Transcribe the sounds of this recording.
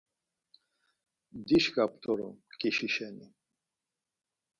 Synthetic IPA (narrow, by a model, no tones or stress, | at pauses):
d̪iɕkapt̪oɾṵmkiɕiɕani